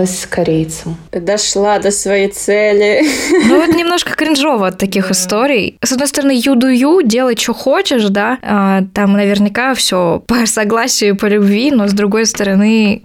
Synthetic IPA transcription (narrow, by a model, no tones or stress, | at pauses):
əsʲskɐɾʲejt̪səmd̪ɐʂlˠad̪əsvɐjit̪sɛlʲɪnuvot̪nʲɪmno̞ʂkə̥kɾʲɪnʐo̞vəɐt̪ːɐkʲixɨst̪o̞ɾʲɪjsɐd̪no̞jst̪əɾɐnɨjud̪ʊjudʲe̞lˠət̚ʲt͡ɕoxot͡ɕɪʂd̪aat̪amnəvʲɪrnʲɪkafsʲopəsɐɡlˠasʲɪjʊpəlʲʊbvʲino̞zd̪ɾʊɡo̞jst̪əɾɐnɨ